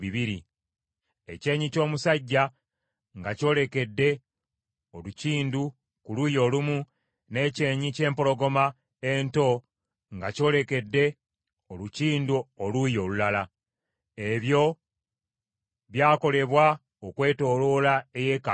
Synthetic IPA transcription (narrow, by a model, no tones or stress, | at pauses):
iβiɾḭ | e̞̰ce̞ːɲico̞ːmusaɟːa | ŋɡaco̞ːle̞ke̞dːe̞ | oluciːndu | kulujo̞lumu | ne̞ce̞ːɲice̞ːmpo̞lo̞ɡo̞ma | e̞nto̞ | ŋɡaco̞ːle̞ke̞dːe̞ | oluciːnduolujo̞ːlulala | e̞βjo̞ | βjaːko̞le̞βwa | okwe̞ːto̞lo̞lae̞je̞ːka